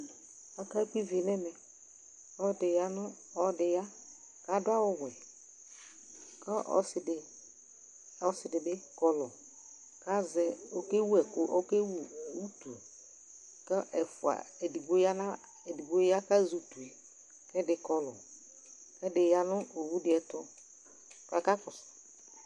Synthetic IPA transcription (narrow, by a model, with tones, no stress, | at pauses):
a˨ka˦k͡pi˦vɪ˨nɛ˦mɛ˨ | ɔ˦dɪ˨ja˦nʊ̃˦ | ɔ˦dɪ˨ja˦ | ka˦dʊ˦a˦wʊ˦ɣʷwɛ˨ | ka˦ʔɔ̰˦sɪ˨dɪ˨ | ɔ˦sɪ˨dɪ˨bɪ˦kɔ˨lɔ˨ | ka˦zɛ˦o˨ke˦wu˦ɛ˨kʊ˨ʔɔ˦ke˦wu˦˨u˦tu˨ | kɛ˦ʔɛ˨fʊ˨a̰˨ɛ˨di˨bo˦ja˦nã˦ | e˨di˨bo˦ja˦ka˦zu˨tu˨ɛ˨ | kɛ˦dɪ˨kɔ˨lʊ˨ | kɛ˦dɪ˨ja˦nʊ˦o˨wu˦dɪ˦ɛ˨tʊ˦ | ka˨ka˦kʊ˨s